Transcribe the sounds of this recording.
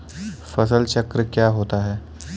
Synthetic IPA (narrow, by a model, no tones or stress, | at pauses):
fəsəlt͡ɕəkɾəkjaɦot̪aɦɛː